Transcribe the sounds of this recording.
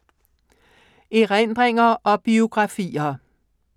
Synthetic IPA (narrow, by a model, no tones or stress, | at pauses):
eʁend̪̥ʁeŋɐʔɒb̥io̝ɡ̥ʁɑfḭːɐ